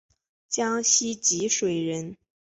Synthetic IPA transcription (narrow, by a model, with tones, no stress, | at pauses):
t͡ɕjɑ˥ŋɕi˥t͡ɕi˧˥ʂwe˨˩ɪɻə˧˥n